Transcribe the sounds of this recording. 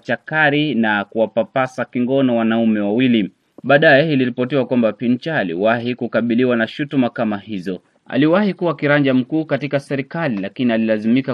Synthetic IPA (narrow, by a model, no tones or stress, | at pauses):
t͡ʃakaɾinakuwapapasakiŋɡɔnɔwanaumɛwawili | ɓaːɗajɛiliɾipɔtiwakwambapint͡ʃaːlḭwaɦikukaɓiliwanaʃutumakamahizɔ | a̰liwahikuwakiɾand͡ʒam̩kuːkatikasɛɾikalilakinialilazimika